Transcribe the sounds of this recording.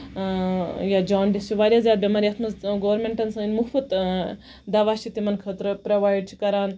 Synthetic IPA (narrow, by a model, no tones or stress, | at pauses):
jad͡ʒaːnɖist͡ʃʰiʋaːɾʲjaːzʲjaːd̪̚bʲemaːɾiɐt̪ʰmɐzɡoːʋɐɾmeɳʈɐnsɐ̃inmukfɐt̪ | d̪ɐʋaːʃʰit̪imɐnkʰɐt̪ɾpɾoʋaːjɖ̚t͡ʃʰi̥kɐɾaːn